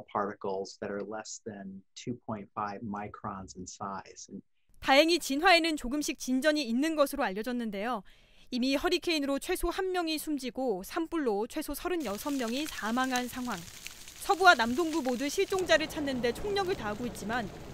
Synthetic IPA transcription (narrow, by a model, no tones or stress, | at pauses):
pʰɑɹɾɨkl̩ˠzðɨɾə˞lɛsðɨ̃ntʰʉpʰɔ̃ɪ̃ntfaɪvmaɪkʰɹ̥ɑ̃nzn̩saɪz̥ | tae̞ŋit͡ɕinɦwae̞nɯnt͡ɕoɡɯmɕʰik̚t͡ɕind͡ʑʌɲiːnːɯnɡʌsʰɯɾoaʎːʌd͡ʑʌnːɯnde̞jo | imihʌɾikʰe̞inɯɾot͡ɕʰwe̞sʰohanmːjʌŋisʰumd͡ʑiɡosʰamp͈uɭːot͡ɕʰwe̞sʰosʰʌɾɯnjʌsʰʌmːjʌŋisʰamaŋɦansʰaŋɦwaŋ | sʰʌbuwanamdoŋɡumodɯɕʰiɭt͡ɕ͈oŋd͡ʑaɾɯɭt͡ɕʰanːɯnde̞t͡ɕʰoŋɲʌɡɯɭtaɦaɡoit̚t͡ɕ͈iman